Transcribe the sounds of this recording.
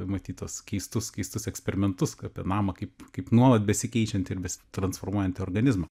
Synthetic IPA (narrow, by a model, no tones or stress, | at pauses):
mɐt̪ʲiːt̪uɔskʲɛɪst̪ʊskʲɛɪst̪ʊsɛksʲpʲɛɾʲɪmʲɛnt̪ʊsapʲiɛnɑːmɐkɐɪpkɐɪpnuɔlˠɐt̪̚bʲɛsʲɪkʲɛɪt͡ʃʲɛnt̪ʲɪrbʲɛsʲt̪ɾɐnsfoːrmuɔjɛnt̪ʲɪoːrɡɐnʲɪzmɐ